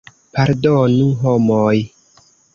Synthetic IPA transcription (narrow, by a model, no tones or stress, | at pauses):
paɾdonũɦomoj